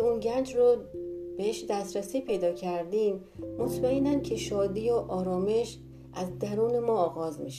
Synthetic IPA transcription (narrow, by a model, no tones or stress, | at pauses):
unɟænd͡ʒɾob̥eheʃd̪æst̪ɾæsiːpʰe̞jd̪ɒːcʰæɾd̪iːmː | ot̪ʰmæenæncʰe̞ʃɒːd̪iːjoʔɒːɾɒːme̞ʃ | ʔæzd̪æɾuːne̞mɒːɣɒːzmiʃe